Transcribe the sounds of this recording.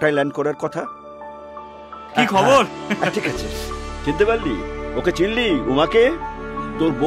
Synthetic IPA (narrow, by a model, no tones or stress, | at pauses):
ʈajlɛɳ̚kɔɾaɾkɔt̪ʰa | kikʰɔboɾɛʈʰikat͡ɕʰḛʈʰint̪epalːḭoket͡ɕinliumaket̪oɾbo